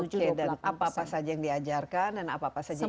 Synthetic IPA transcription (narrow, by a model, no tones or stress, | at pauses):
uɛdanapaːpasad͡ʒajaŋdiad͡ʒarkandanapaːpasad͡ʒa